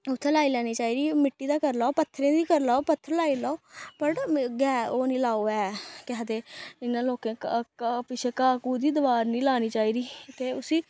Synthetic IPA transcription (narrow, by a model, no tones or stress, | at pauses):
ʊt̪ʰːeːlaːiːlɛːñiːt͡ʃaːiːd̪iːmɪʈːiːd̪aːkəɾlaːoːpət̪ʰːɾẽːd̪iːkəɾlaːoːpət̪ʰːəɾlaːiːlaːoːpəʈɡɛːoːnĩːlaːoːɛːkɪɦəd̪eːɪnːãːloːkẽːpɪt͡ʃʰeːkaːkuːd̪iːd̪əʋaːɾnĩːlaːniːt͡ʃaːiːɾiːt̪eːʊsiː